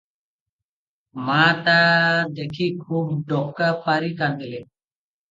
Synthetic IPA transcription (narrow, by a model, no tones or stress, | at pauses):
mãːt̪aːd̪eːkʰiːkʰuːbɖoːkkapaːɾiːkãnd̪əleː